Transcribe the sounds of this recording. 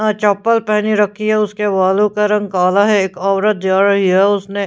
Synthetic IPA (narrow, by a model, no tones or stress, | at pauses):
t͡ʃɔːpːəlpɛɦniɾɐkʰːiɦɛʊskeʋaːlukɐɾɐ̃ŋɡkaːlaɦɛeːkɔːʋɾət̪̚d͡ʒjaːɽɐɦiɦɛʊsne